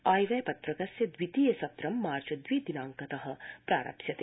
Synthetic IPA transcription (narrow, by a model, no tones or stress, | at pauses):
aːjʋɐjpɐt̪ɾɐkɐsjɐd̪ʋit̪ijɐsɐt̪ɾɐmːaːɾt͡ʃɐd̪ʋid̪inaːŋkɐt̪ɐɦɐ̆pɾaːɾɐ̰psjɐt̪eː